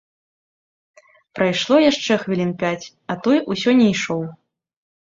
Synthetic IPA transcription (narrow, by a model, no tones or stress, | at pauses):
pɾajʂlˠɔjaʂt͡ʂɛxvʲilʲinpʲat͡sʲ | ɐt̪ɔjʔusʲɔnʲɛjʂɔw